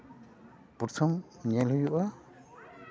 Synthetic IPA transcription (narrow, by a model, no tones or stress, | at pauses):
puɾtʰɔmɲɛlujuʔa